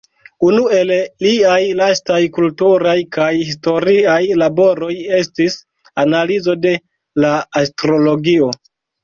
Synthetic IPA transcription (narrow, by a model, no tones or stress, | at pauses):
unue̞lliajlastajkultuɾajkajhis̬to̞ɾiajlabo̞ɾo̞je̞stis | analizo̞de̞ | laːstɾo̞lo̞ɡio̞